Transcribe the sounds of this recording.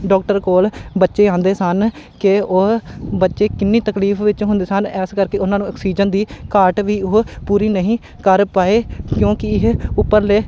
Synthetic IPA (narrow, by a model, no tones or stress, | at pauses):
ɖɔːk̚ʈəɾkoːlbətːʃeːd͡ʒãːnd̪eːsənkɪoɦbətːʃeːkɪnːiːt̪əkliːfʰʋɪt͡ʃɦʊ̃nd̪eːsənɛːskəɾkeːʊnːãːnũːəksiːd͡ʒənd̪iːkaːɾʈʋiːoɦpuːɾiːnəɦĩː | kəɾpaːeːkjõːkɪɪɦʊpːəɾleː